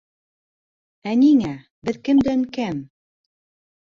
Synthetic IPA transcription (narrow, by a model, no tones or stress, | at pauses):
æniŋæ | bɘ̆ðkɘmd̪ænkæm